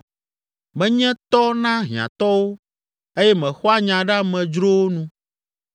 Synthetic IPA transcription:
mɛ̃˦ɲɛ̃˦t̪ɔ˦nã˦ɦi˨ã̰˨t̪ɔ˦wo˦ | e˦jɛ˦mɛ̃˨xɔ˦a˦ɲã˨ɖa˦mɛ̃˨d͡ʒɾo˦wo˦nũ˦

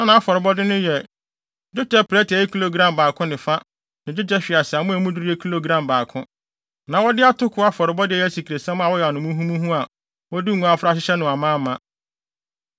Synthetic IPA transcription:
nã˦nã˨a˦fɔ˨ɾɪ˨bɔ˦dɪ˦nʊ̃˦jɛ˨ | d͡ʒʊ˦t͡ʃɛ˦pʰɾɛ˦tʰɪ˨ɛ˨jɛ˦kʰu˦lo˦˨ɡɾã˦˨mbaː˨kʰʊ̃˦nɪ̃˨fa˦ | nɪ̃˨d͡ʑʊ˦d͡ʒɛ˦ɕᶣi˨a˨sɪ˨a˨mʊ̃˦æ˨mũ˦du˦ɾi˦ɛ˦kʰu˦lo˨ɡɾã˦mbaː˨kʰʊ̃˦ | nã˨wɔ˦dɪ˦a˦tʰʊ˦kʰʊ˨˦a˦fɔ˨ɾɪ˨bɔ˦dɪ˦ɛ˦˨jɛ˦si˨kʰɾe˨sɛ̃˦m˦a˨wɔ˦jɛ˨a˨nʊ̃˨mũ˦ɦũ˦mũ˦ɦũ˦a˨ | wɔ˦di˦ŋũ˦a˨fɾa˦ɕ̬ɪ˦ɕɛ˦nʊ̃˨a˨mãː˦˨mã˨

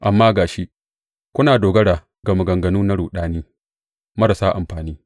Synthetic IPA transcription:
ʔa˨mːaː˦ɡaː˨ʃi˦ʔ | kʷʊ˦naː˨doː˨ɡɐ˦ɽaː˨ | ɡɐ˨mɐ˨ɡɐ˨ŋɡɐ˨nuː˦na˦ɽuː˨ɗaː˦niː˦ | mɐ˦ɾa˨saː˦ʔa˨mɸaː˨niː˦

